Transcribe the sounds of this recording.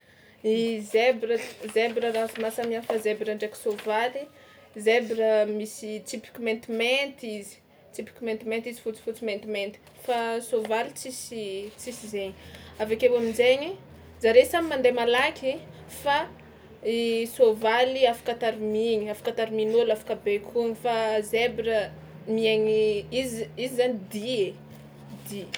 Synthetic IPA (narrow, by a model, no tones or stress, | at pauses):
izebɾəzebɾərafimasamiafəzebɾaɳɖ͡ʐeki̥sovali | zebɾəmisit͡sipi̥kʲiment̪iment̪izi̥ | t̪ipi̥kʲiment̪iment̪izifut͡si̥fut͡siment̪iment̪i̥ | fasovalit͡sisit͡sisizeɲi̥avakewaminzeɲi | zaɾesamimand̪emalakʲʰi | fa | isovaliafḁkat̪aɾimiɲiafḁkat̪aɾiminolafḁkabekʰuŋifazebɾə | miaɲiizizizanid̪ie | d̪i